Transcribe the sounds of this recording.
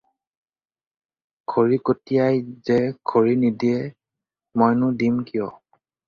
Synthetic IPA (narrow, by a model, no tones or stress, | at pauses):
ɡʰoɹikotijajzɛɡʰʱoɹinidiɛ | mojnʊdimkijɔ